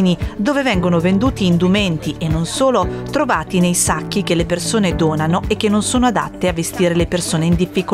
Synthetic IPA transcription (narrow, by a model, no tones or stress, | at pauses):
nid̪oːvevɛŋɡonovend̪uːt̪iːnd̪umɛnt̪iʔenːonsoːlot̪ɾovaːt̪inejsakːik̟elːepersoːned̪oːnanoʔek̟ːenːonsoːnoad̪a̰t̪ːeavest̪iːɾelepersoːneind̪ifːiko